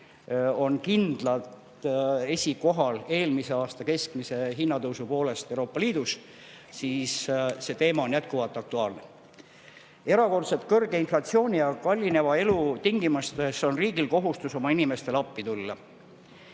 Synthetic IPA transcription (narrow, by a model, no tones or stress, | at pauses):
o̞nkind̪̥lɑlt̪ | e̞sʲiko̞ɦɑle̞ːlmise̞ɑːst̪ɑke̞sk̚mise̞ɦinːɑt̪ɤwsupo̞ːle̞st̪ewɾo̞ːpːˑɑliːd̪̥us | siːsse̞t̪e̞ːmɑo̞njæt̪̚kuvɑlt̪ːˑɑk̚t̪uɑːlne̞ | e̞ɾɑko̞rt̪se̞t̪kɤrɡe̞inflɑt̪sio̞ːnʲijɑkɑlʲːine̞vɑe̞lut̪iŋɡimust̪e̞so̞nriːɡ̥ilko̞ɦust̪uso̞mɑinime̞st̪e̞lɑpːit̪ulːɑ